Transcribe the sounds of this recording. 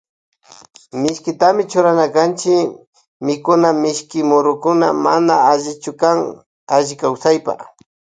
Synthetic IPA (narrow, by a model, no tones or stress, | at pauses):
mɪʃkɪt̪amɪt͡ʃʊɾanakant͡ʃɪ | mɪkʊnamɪʃkɪmʊɾʊkʊna̰manaaʒɪt͡ʃʊkaŋ | aʒɪkawsajpa̰